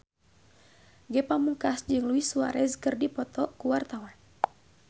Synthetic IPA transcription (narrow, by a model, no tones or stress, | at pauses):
ɡɛpamuŋkasd͡ʒɨŋluisua̰ɾɛzkɨrdipɔt̪ɔkuwart̪awan